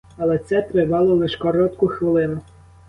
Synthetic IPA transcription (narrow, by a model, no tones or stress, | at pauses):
ɐlˠɛt̪sɛt̪ɾɪʋɑlˠɔlˠɪʃkɔɾɔt̪kʊxʋɪlˠɪnʊ